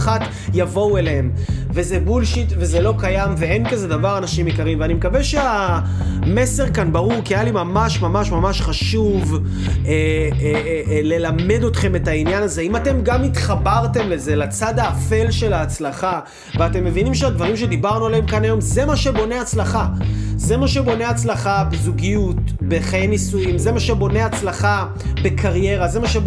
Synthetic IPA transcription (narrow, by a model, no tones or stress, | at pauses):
χat | javo̞weleem | vezebulʃitve̞zelo̞kajamvee̞nkaze̞d̪avaʁanaʃimikaʁimveanimekaveʃea | me̞se̞ʁkanbaʁuʁkiajalimamaʃmamaʃmamaʃχaʃuv | e | le̞lame̞do̞tχe̞me̞tainjanaze̞imate̞mɡamit̪χabaʁte̞mle̞ze̞lat͡sad̪aːfe̞lʃe̞laːt͡slaχa | veate̞mːe̞vinimʃead̪vaʁimʃed̪ibaʁnualeemkanajo̞mze̞maʃebo̞ne̞at͡slaχaze̞maʃe̞bo̞neat͡slaχabezuɡijutbe̞χajenisujimze̞maʃebo̞ne̞at͡slaχa | be̞kʰaʁje̞ʁaze̞maʃe